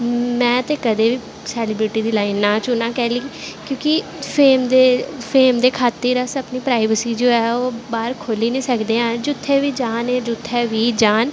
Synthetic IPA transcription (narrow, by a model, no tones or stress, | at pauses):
mɛ̃ːt̪eːkəd̪eːʋiː | sɛːlɪːbɾɪʈiːd̪iːlaːinːãːt͡ʃʊːnãːkɛːliːkjõːkɪpʰeːmd̪eːpʰeːmd̪eːkʰaːt̪ːeːɾəsəpniːpɾaːɪʋəsiːd͡ʒoːɛːoːbaːɾkʰoːliːnĩːsəkd̪eːɦãːd͡ʒʊt̪ʰːɛːʋiːd͡ʒaːneːd͡ʒʊt̪ʰːɛːʋiːd͡ʒaːn